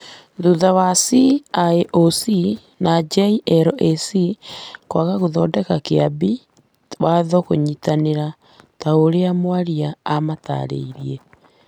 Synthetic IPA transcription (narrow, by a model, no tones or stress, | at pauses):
ðuðawasiaeʔosi | nad͡ʒaiʔɛɾɔʔesikwaɣaɣoðɔdɛkakeabi | waðɔkoɲitaneɾa | taoɾeamwaɾiaːmata̰ɾḛiɾie